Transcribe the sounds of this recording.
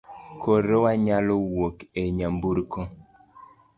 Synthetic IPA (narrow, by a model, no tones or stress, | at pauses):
kʰoɾowaɲalɔwokeɲambuɾko